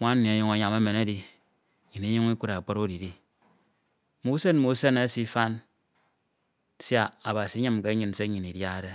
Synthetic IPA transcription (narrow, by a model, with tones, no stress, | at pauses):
ŋʷa˦n˦ni˨a˨ɲo˦ŋa˨ɲa˨me˦me˨na˦di˨ | ɲi˨ni˦ɲu˦ŋ˦i˦kʷu˦ɾa˨k͡po˦ɾo˦di˨di˦ | mu˨˦se˦nmu˨˦se˦na˦si˦fa˦n˦ | sa˨a˨ba˨si˨˦ɲɨ˦mke˦ɲɨ˨n˨se˦ɲi˨ni˨dja˦de˦